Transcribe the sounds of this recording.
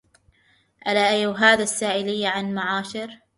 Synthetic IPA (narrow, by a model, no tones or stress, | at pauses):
ʔalaʔajɦaːðasːaːʔɪlɪjːaʕanmaʕaːʃɪɾ